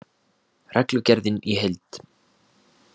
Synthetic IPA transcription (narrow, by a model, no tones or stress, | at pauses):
rɛklʏcɛɾðɪniɦelt̪